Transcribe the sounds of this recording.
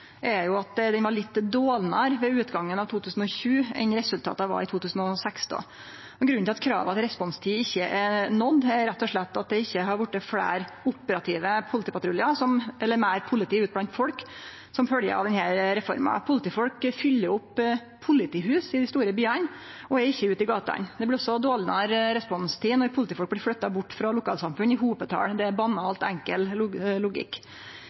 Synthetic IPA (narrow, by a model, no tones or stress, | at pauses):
ʔɛɾjʊɑt̪d̪ɛnʋɑɭɪt̪ːd̪oːlnɑɾʋɛʉːt̪ɡɑŋːənɑʋt̪ʰuːt̪ʉːsn̩ɔçʉːɛ̰nɾɛsʉlt̪ʰɑ̰ːt̪ɑʋɑ̰ɾɪt̪ʰuːt̪ʰʉːsn̩ɔsɛksd̪o̰ː | ɔɡɾʉnːt̪ɪɑt̪̚kʰɾɑ̰ːʋɑt̪ɾɛspɔnst̪ʰiːɪçːəʔɛɾnɔd̪ːɛɾɾɛt̪ːɔʂɭɛt̪ːɑt̪̚d̪ɛɪçːəɦɑɾʋʊʈːəfɽæ̰ːɾ | ʊpːəɾɑt̪ʰiːʋəpʰʊlɪt̪iːpɑt̪ɾʊlɪɑsɔmɛlːəɾmæɾpʰʊlɪt̪iːʉːt̪̚blɑnt̪fɔlk | sɔmfœljə̰ɾɑ̰d̪ɛnhæɾɾɛfɔ̰ɾmɑ̰pʰʊlɪt̪iːfɔlkfʏlːəɾʊpːʰ | ʊlɪt̪iːhʉːsɪd̪ɪst̪uːɾəbyːɑn | ɔɛɾɪçːəʉːt̪ɪɡɑːt̪ɑ̰nd̪ɛblɪɾɔsːɔd̪oːlnɑɾɾɛspɔnst̪ʰiːnɔpʰʊlɪt̪iːfɔlk̚blɪfɽœt̪ːɑbʊʈːfɾɑlʊkʰɑːlsɑmfʉnɪɦuːpət̪ʰɑ̰ːɽd̪ɛæbɑnːɑːlt̪æŋkəllʊɡɪ̰kː